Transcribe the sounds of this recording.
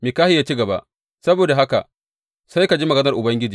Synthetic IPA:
miː˨kaː˦hɪ˦jaː˦t͡ʃi˦ɡɐ˨ba̰˦ʔ | sɐ˦boː˨da˨ɦa˦ka̰˨ʔ | sa˦jka˨d͡ʒi˦mɐ˨ɡɐ˦nɐ˨rʔʊ˨bɐ˦ŋɡʲɪ˦d͡ʒiː˨

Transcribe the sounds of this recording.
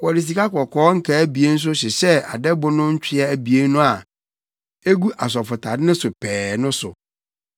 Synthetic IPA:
kɔ˨ɾi˨s̬i˨ka˦kɔ˨kʰɔː˦ŋ̩˦kʰa˨æ˦bi˨e˦n̩˦s̬ʊ˦ɕɪ˨ɕɛ˦a̰˨dɛ˦bʊ˨nʊ̃˦ɲ̩˦t͡ɕᶣʰɪ˦ɛ˦æ˨bi˨e˦nʊ̃˦a˨ | e˦ɡu˦ʔa˨s̬ɔ˨fʊ˨tʰa˨dɪ˦nɪ̃˦sʊ˨pʰɛː˨nʊ̃˦sʊ̰˨

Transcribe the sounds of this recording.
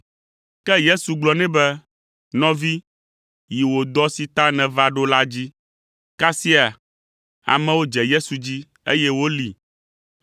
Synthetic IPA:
kɛ˦je˦su˨ɡ͡blɔ˨nɛ̃˦bɛ˦ | nɔ̃˦vi˦ | ji˨wo˨d̪ɔ˦si˨t̪a˦nɛ̃˨va˦ɖo˦la˦d͡ʑi˦ | ka˦si˦a˨ | a̰˨mɛ̃˦wo˦d͡ʒɛ˨je˦su˨d͡ʑi˦ | ḛ˦jɛ˦wo˦li˨

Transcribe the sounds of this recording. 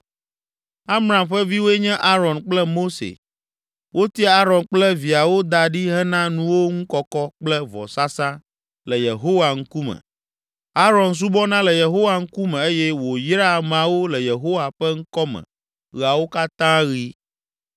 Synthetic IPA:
a˦mɾã˨mɸɛ˦vi˦wo˦ɛ˦ɲɛ̃˦ʔa˦ɾɔ˨nk͡plɛ˦mo˦sḛ˨ | wʔo˦t̪i˦˨˦a˦ɾɔ̃˨nk͡plɛ˦vi˨a˨wo˦d̪a˨ɖi˦ɦɛ˦nã˦nũ˦wo˦ŋũ˦kɔ˦kɔ˦k͡plɛ˦vɔ̰˨sa˦sã˦ | lɛ˨je˨ɦo˦wa˨ŋ̩˦ku˦mɛ̰̃˨ | a˦ɾɔ˨ns̬u˦bɔ˦nã˦lɛ˨je˨ɦo˦wa˨ŋ̩˦ku˦mɛ̃˨e˦jɛ˦wo˨jɾa˦˨mã˨wo˦lɛ˨je˨ɦo˦wa˨ɸɛ˦ŋ̩˦kɔ˦mɛ̰̃˨ | ɣa˨wo˦ka˦t̪ã˦ɣi˦

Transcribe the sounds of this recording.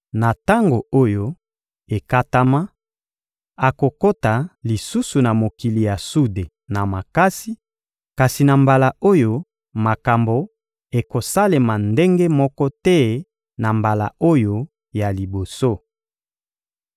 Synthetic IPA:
na˨ta˦ŋɡo˨o˦jo˦ | e˨ka˦ta˦ma˦ | a˨ko˨ko˦ta˨li˨su˦su˨na˨mo˨ki˨li˨ja˨su˦de˨ | na˨ma˨ka˦si˦ | ka˨si˨na˨mba˨la˨o˦jo˦ | ma˨ka˨mbo˨ | e˨ko˨sa˦le˨ma˨nde˦ŋɡe˦mɔ˦kɔ˦tɛ˦ | na˨mba˨la̰˨o˦jo˦ | ja˨li˨bo˨so˦

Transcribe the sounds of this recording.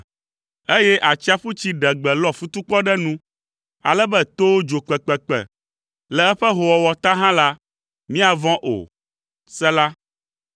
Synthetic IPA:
e˦jɛ˦ʔa˨t͡ɕi˦a˦ɸu˦t͡ɕi˦ɖɛ˨ɡ͡bɛ˨lɔ˦fu˦t̪u˦k͡pɔ˦ɖɛ˦nũ˦ | a̰˨lɛ˦bɛ˦t̪o˦wo˦d͡ʒo˨k͡pɛ˨k͡pɛ˨k͡pɛ̰˨ | lɛ˨ɛ˦ɸɛ˦ɦo˨wɔ˨wɔ˨t̪a˦ɦã˦la˦ | mĩ˦a˨vɔ̃˦ʔo̰˨ | sɛ˦la˦

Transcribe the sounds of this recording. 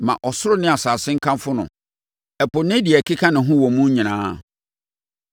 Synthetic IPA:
mã̰˨ʔɔ˨sʊ˦ɾʊ˦nɪ̃˦a˨saː˨sɪ̃˦ŋ̩˦kʰã˦mfʊ˦nʊ̰̃˨ | ɛ˨pʊ˨nɪ̃˦dɪ˨ɛ˨kʰi˦kʰa˦nɪ̃˨ɦʊ̃˦wɔ̃˨mũ˦ɲĩ˨nãː˨˦

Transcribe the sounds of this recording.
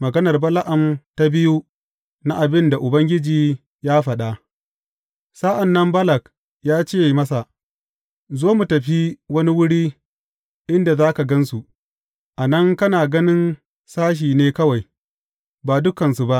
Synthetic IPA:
mɐ˨ɡɐ˦nɐ˨rbɐ˦la˦ʔɐ˨mta˦bɪ˦ju˦ | na˦ʔa˨bɪ˦nda˨ʔʊ˨bɐ˦ŋɡʲɪ˦d͡ʒiː˨ | jaː˦ɸɐ˨ɗa˦ʔ | saː˦ʔa˨nːɐ˦mbɐ˦lɐ˨k | jaː˦t͡ʃeː˦˨mɐ˦sa˨ʔ | zoː˦mu˨tɐ˨ɸi˦wɐ˦ni˦wʊ˦ɽiː˦ | ʔɪ˦nda˨zaː˦ka˨ɡɐ˦nsu˨ʔ | ʔa˨nɐ˦ŋkɐ˦naː˨ɡɐ˦nɪ˦n | saː˦ʃ̬iː˨neː˦kɐ˦wa˨j | baː˨dʊ˦kɐ˨nsu˨ba˦ʔ

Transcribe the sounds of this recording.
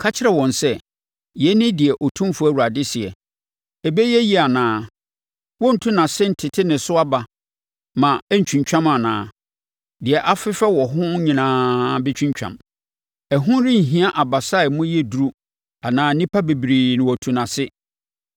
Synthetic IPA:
kʰa˦t͡ɕʰɪ˦ɾɛ˨wɔ̃˨nsɛ˦˨ | jɛ˦nɪ̃˦dɪ˨ɛ˨ʔɔ˨tʰũ˦mfʊ˦æ˨wu˨ɾa˨dɪ˦sɪ˨ɛ˨ | ɛ˨bɛ˦jɛ˦ji˦a˨nãː˦ | wɔ˦n̩˨tʰũ˦nã˨sɪ˦n̩˨tʰɪ˨tʰɪ˦nɪ̃˨sʊ˦a˦ba˨ | mã˨ɛ˦ɲ̩˨t͡ɕᶣũ˨ɲt͡ɕᶣã˦ma˨nã̰ː˨ | dɪ˨ɛ˨ʔa˦fɪ˦fɛ˦wɔ˨ɦʊ̃˦ɲĩ˨nãː˦bɛ˦t͡ɕʰᶣĩ˦ɲt͡ɕᶣã̰˨m | ɛ˨ɦʊ̃˦ɾɪ̃˦ɲ̩˨ɦĩ˦a˦ʔa˨ba˨sa˦ɪ˨mʊ̃˦jɛ˦du˦ɾu˦ | a˨nãː˨˦nĩ˦pʰa˦be˨bɾiː˨nɪ̃˨wɔ˨tʰũ˨nã˨sɪ˦

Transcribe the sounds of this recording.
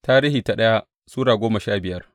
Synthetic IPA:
taː˦ɾiː˦hiː˨ta˨ɗɐ˦ja˦ | suː˦ɽaː˨ɡʷoː˦mɐ˨ʃaː˦bɪ˨jɐ˦r

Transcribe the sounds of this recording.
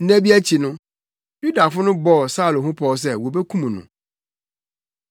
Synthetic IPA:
n̩˦næ̃˦bi˦æ˦t͡ɕʰi˨nʊ̃˦ | ju˦da˨fʊ˦nʊ̃˦bɔ˦ɔ˨sa˦˨lo˨ɦʊ̃˦pʰɔ˦ɔ˦s̬ɛ˦wo˨bɛ˦kʰũ˦mũ˨nʊ̰̃˨

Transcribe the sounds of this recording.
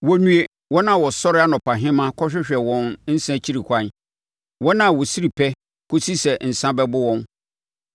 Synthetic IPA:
wɔ˦nũ˦e˦ | wɔ˦nã˨wɔ˨sɔ˦ɾɪ˦a˦nɔ̃˨pa˨ɦɪ̃˦mã˦kʰɔ˦ɕᶣɪ˦ɕᶣɛ˨wɔ̃˨nn̩˦sã˦t͡ɕʰi˦ɾi˨kʷʰã˦n | wɔ˦nã˨wɔ˨si˦ɾi˨pʰɛ˦ | kʰʊ˦si˦sɛ˨n̩˨sã˦bɛ˦bʊ˦wɔ̃˦n

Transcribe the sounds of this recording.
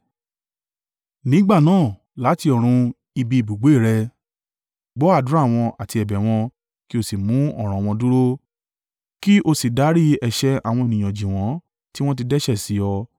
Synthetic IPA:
nĩ˦ɡ͡ba˦˨nãː˦˨ | la˨˦ti˧ɔ˨ɾ̃ũ˧ | i˧bi˧i˨bu˨ɡ͡be˨˦˨ɾɛ˧ | ɡ͡bɔ˨˦a˦˨dũ˨˦a˦˨w̃ɔ̃˧a˨ti˧ɛ˨bɛ˨w̃ɔ̃˧ | ki˦o˧si˨mũ˨˦ɔ̰˦˨ɾ̃ã˨w̃ɔ̃˧du˦ɾo˦ | ki˦ʔo˧si˨da˨˦ɾi˦ɛ˧ʃɛ˦a̰˨w̃ɔ̃˧e˨nĩ˨j̃ã˨d͡ʒĩ˨w̃ɔ̃˨˦ | ti˦w̃ɔ̃˦t̬i˧dɛ˦ʃɛ˦˨si˨˦ɔ˧

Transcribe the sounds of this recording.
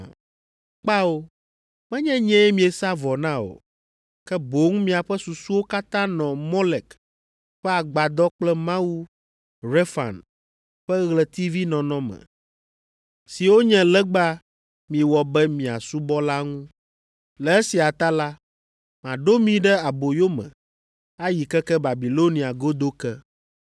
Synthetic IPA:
k͡pa˦o˦ | mɛ̃˦ɲɛ̃˦ɲɛ̃˦ɛ˦mĩ˨e˨sa˦vɔ˨nã˦o̰˨ | kɛ˦bo˨˦ŋ˦mĩ˨a˨ɸɛ˦su˨su˦wo˦ka˦t̪ã˦nɔ̃˨mɔ˦lɛ˨k | ɸɛ˦a˨ɡ͡ba˨d̪ɔ˦k͡plɛ˦mã˦wu˦ | ɾe˦fa̰˨n | ɸɛ˦ɣlɛ˨t̪i˦vi˦nɔ̃˨nɔ̃˦mɛ̰̃˨ | si˨wo˦ɲɛ̃˨lɛ˦ɡ͡ba˦ | mĩ˨wɔ˨bɛ˦mĩ˨a̰˨su˦bɔ˦la˦ŋũ˦ | lɛ˨e˦si˨a˨t̪a˦la˦ | mã˨ɖo˦mĩ˨ɖɛ˦a˨bo˨jo˦mɛ̰̃˨ | a˦ji˨kɛ˦kɛ˦ba˨bi˨lo˦nĩ˨a˨ɡo˦d̪o˦kɛ˦

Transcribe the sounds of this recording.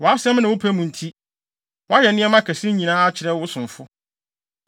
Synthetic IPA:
wɔ˨a˦sɛ̃˦mnã˨wʊ˦pʰæ˦mũ˨n̩˨tʰi˦ | wɔ˦a˦jɛ˨nɪ̃˦ɛ˦mã˦kʰæ˨sɪ̃˦ɲĩ˨nãː˦a˦t͡ɕʰɪ˨ɾɛ˦wʊ˦sʊ̃˨ɱ˨fʊ˦

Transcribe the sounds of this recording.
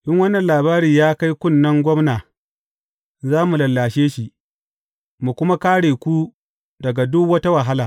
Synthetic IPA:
ʔɪ˦ŋwɐ˦nːɐ˨nlaː˨baː˦ɾiː˨jaː˦ka˦jkʷʊ˦nːɐ˦ŋɡʷɔ˦mnaː˨ | zaː˦mu˨lɐ˨lːaː˨ʃeː˦ʃi˨ | mu˨kʷʊ˦ma˦kaː˦ɽeː˨kʷu˦ | dɐ˨ɡa˨dʊ˦kwɐ˦ta˦wa˨ɦa˦laː˨

